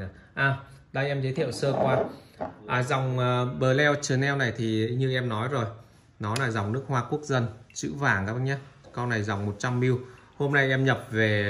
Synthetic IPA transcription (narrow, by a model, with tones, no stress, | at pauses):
ʔaː˨˩ɗaː˧jʔɛ˧mzə˨˦jt̪ʰḭ˧˨ə˨wsəː˧kwaː˧ʔaː˨˩za˨˩wŋ͡mʔːɓəː˨˩lɛ˧wt͡ɕɨ˨˩nɛ˧wna˨˩jt̪ʰi˨˩ɲɨ˧ʔɛ˧mnɔ˨˦jzo˨˩j | nɔ˨˦laː˨˩za˨˩wŋ͡mnɨ˦˥ək̚hwaː˧ku˦˥ək̚zə˧nt͡ɕɨ̰˧˥vaː˧˩ŋaː˦ɲa˦kɔ˧na˨˩jza˨˩wŋ͡mmo˨˩t̚t͡ɕa˧mːi˧w | ho˧mna˧jʔɛ˧mɲə˨˩p̚ve˨˩